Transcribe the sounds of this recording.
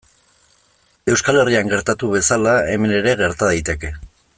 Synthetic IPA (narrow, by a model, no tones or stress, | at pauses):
e̞wskale̞riaŋɡe̞ɾt̪at̪uβe̞salae̞me̞ne̞ɾe̞ɣe̞ɾt̪aðajt̪e̞ke̞